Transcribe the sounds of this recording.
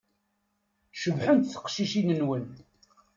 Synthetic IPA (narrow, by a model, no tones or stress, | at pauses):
ʃəvħənt̪θə̥qʃiʃinənwən